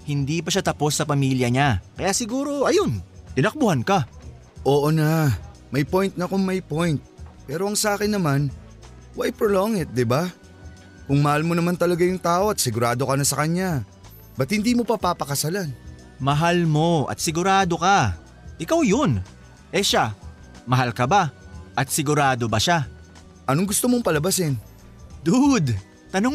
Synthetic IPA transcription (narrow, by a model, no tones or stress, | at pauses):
hɪnd̪iːpɐʃat̪ɐpo̞sːɐpɐmiːljɐɲakɐjaːsɪɡuːɾo̞ʔɐjo̞nt̪ɪnɐk̚bʊhanka | ʔoːʔonɐ | mɐjpo̞jnt̪̚nɐkoŋmɐjpo̞jnt̪̚pɛːɾo̞ɐŋsɐʔaːkɪnːɐman | wajpɾoloŋɪt̪̚d̪ɪba | kʊŋmɐhalmo̞nɐmant̪ɐlɐɡajʊŋt̪aːʔo̞ɐt̪̚sɪɡʊɾaːd̪o̞kɐnɐsɐkɐɲa | bɐt̪̚hɪnd̪iːmo̞pɐpapɐkɐsalan | mɐɦalmo̞ʔɐ̰t̪̚sɪɡʊɾaːd̪o̞ka | ʔɪkawjon | ʔɛʃa | mɐɦalkɐbaʔɐt̪̚sɪɡʊɾaːd̪o̞bɐʃa | ʔɐnoŋɡʊst̪omoŋpɐlɐbasɪn | d̪ud̪ | t̪ɐnoŋ